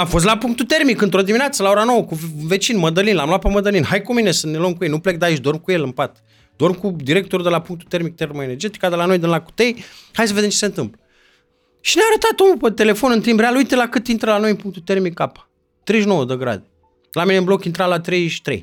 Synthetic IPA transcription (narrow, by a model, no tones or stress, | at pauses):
amfo̞s̬t̪lapuŋkt̪ut̪e̞rmikɨnt̪ɾo̞d̪iminat̪səlao̞ɾano̞wəkuve̞t͡ʃinməd̪əlinlamloapəməd̪əlinɦajkumine̞sənelomkujejnuplek̚d̪ait͡ʃʲd̪o̞rmkuje̞lɨmpat̪ | d̪o̞rmkud̪iɾe̞k̚t̪oɾud̪elapuŋk̚t̪u̥t̪e̞rmik̚t̪e̞rməene̞rd͡ʒe̞t̪i̥kad̪əlano̞jd̪ɨnlaku̥t̪ejhajsəve̞d̪emt͡ʃesent̪ɨmplə | ʃineaaɾət̪at̪omupət̪e̞le̞fo̞nɨnt̪imbɾealujt̪elakɨt̪int̪ɾəlano̞jɨmpuŋk̚t̪ut̪ermikːapḁ | t̪ɾejʃno̞wəd̪əɡɾa̰d̪e | lamineɨmblo̞kint̪ɾalat̪ɾejʃi̥t̪ɾḛj